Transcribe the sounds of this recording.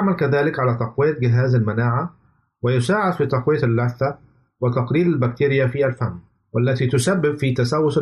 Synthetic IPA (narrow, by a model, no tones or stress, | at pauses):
aʕmalkaðaːlɪkʕalat̪ɑqwɪjːat̪̚ɡɪɦaːzalmanaːʕa | wɪjʊsaːʕad̪fiːt̪ɑqwɪjːaalːaθːa | wɪt̪ɑqɾiːɾalbak̚t̪iːɾɪjafiːalfamː | walːat̪iːt̪ʊsabːɪbfit̪asawːʊs